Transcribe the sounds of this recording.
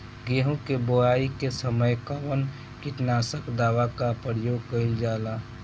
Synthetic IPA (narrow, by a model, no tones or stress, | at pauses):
ɡeːɦũkeboaːikesəməjkəʋən | kɪʈnaːsəkd̪aːʋakapɾəjoːɡ̚kəild͡ʒaːlaː